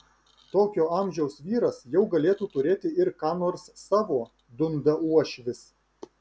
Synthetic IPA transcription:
t̪oːkʲoːɑˑmʲʒʲɛʊsʋʲiːɾɐsjɛʊɡɐlʲeːt̪uːt̪ʊɾʲeːt̪ʲɪɪɾkɑːnoːɾsːɑːʋoː | d̪ʊnd̪ɐuɔʃʲʋʲɪs

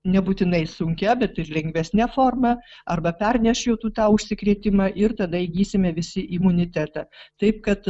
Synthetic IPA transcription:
nʲɛbuːt̪ʲɪnɐɪsʊŋʲkʲɛbʲɛt̪ɪrlʲɛŋʲɡʋʲɛsʲnʲɛfoːrmɐɐrbɐpʲɛrʲnʲɛʃʲjɛʊt̪uːt̪ɑːʊʃʲsʲɪkɾʲeːt̪ʲɪmɑʔɪrt̪ɐd̪ɐiɡʲiːsʲɪmʲɛʋʲɪsʲɪʔɪmʊnʲɪt̪ʲæt̪ɑt̪ɐɪp̚kɐt̪

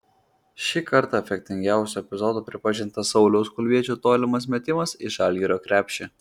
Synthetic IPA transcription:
ʃʲɪkʰɐɾt̪ɑfʲɛk̚ʲt̪ʲɪŋʲɡʲæˑʊsʲuɛpʲɪzɔːd̪uːpʲɾʲɪpɐʒʲɪnt̪ɐsɒʊlʲɛʊskʊlʲʋʲiɛt͡ʃʲuːt̪oːlʲɪmɐsmʲɛt̪ʲɪmɐsɪʃɑlʲɡʲiɾʲoːkɾʲæːpʲʃʲt͡ʃʲe

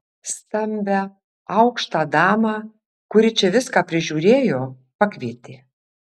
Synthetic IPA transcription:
st̪ɐmʲbʲɛ | ɐʊkʃt̪ɑːd̪ɑːmɑː | kʊɾʲɪt͡ʃʲɛʋʲɪskaːpʲɾʲɪʒʲuːɾʲeːjoː | pɐkʲʋʲiːt̪ʲeː

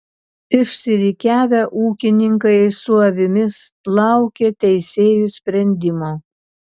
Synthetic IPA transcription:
pʲɪʃʲsʲɪɾʲɪkʲæːʋʲɛʔuːkʲɪnʲɪŋkɐɪsʊɐʋʲɪmʲɪslˠɑˑʊkʲeːt̪ʲɛɪsʲeːjusʲpʲɾʲɛnʲd̪ʲɪmoː

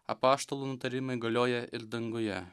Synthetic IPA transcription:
ɐ̰pɑːʃt̪olˠuːnʊt̪ɐɾʲɪmɐɪɡɐlʲoːjɛʔɪlʲd̪ɐŋɡʊjɛ

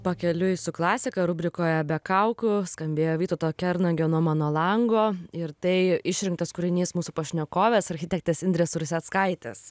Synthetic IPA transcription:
pɐkʲɛlʲʊɪsʊklˠɑːsʲɪkɐɾʊbʲɾʲɪkoːjɛbʲɛkɐʊkʊskɐmʲbʲeːjoːʋʲiːt̪oːt̪oːkʲɛɾnɐɡʲɛnoɔmɑːnoːlˠɐŋɡoːɪɾt̪ɐɪɪʃʲɾʲɪŋkt̪ɐskʊɾʲɪnʲiːsmuːsupɐʃʲnʲɛkoːʋʲɛsɐɾʲxʲɪtʲɛk̚t̪ʲesɪnʲd̪ɾʲɛsʊɾʊsʲɛt̪skɐɪt̪ʲɛ̰s

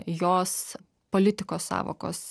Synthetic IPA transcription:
joːs | polʲɪt̪ʲɪkoːssɑ̰ːʋo̰ːko̰ːs

